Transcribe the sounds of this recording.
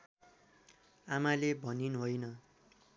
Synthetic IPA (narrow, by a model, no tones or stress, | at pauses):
amalebʱʌninɦojnʌ